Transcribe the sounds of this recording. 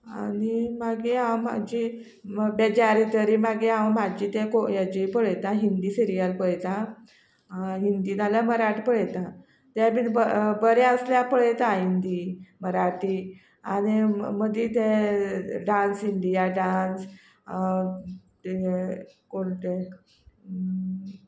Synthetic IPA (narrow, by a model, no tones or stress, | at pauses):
a̰nimaɡiãwma̰d͡ʑi | bed͡ʑaɾit̪əɾiːmaɡiɦãwmad͡ʑiːt̪ẽkojad͡ʑipəɭt̪ãɦind̪iːsiɾijəlpəɭt̪ã | ɦind̪iːd̪aljaməɾaʈipəɭjt̪ã | t̪jabinbəbəɾeəsljapəɭet̪ãɦind̪iməɾaʈiː | añiməd̪iːt̪e | ɖãnsiɳɖ̪ijaɖans | t̪e | koɳt̪e